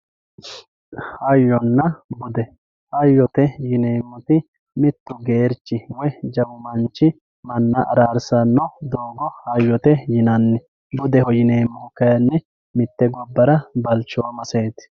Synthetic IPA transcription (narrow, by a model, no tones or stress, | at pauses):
hɐjːɔnːɐbʊd̪ɛ | hɐjːɔt̪ɛjɪneːmːʊt̪ɪ | mɪt̪ːʊɡe̞ːɾt͡ʃːɪwɔjd͡ʒɐwʊmɐnt͡ʃːɪ | mɐnːɐʔɐɾaːɾsɐnːɔd̪oːɡɔhɐjːɔt̪ɛjɪnɐnːɛ | bʊd̪ɛhɔjɪneːmːʊʊkɐjɐnːɛ | mɪt̪ːɛɡɔbːɐɾɐbɐlt͡ʃːɔwmɐseːt̪